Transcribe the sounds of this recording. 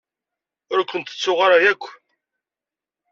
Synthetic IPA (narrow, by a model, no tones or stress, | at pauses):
ʊɾækʷːənt̪ə̥t͡sːʊʁaɾajækʷː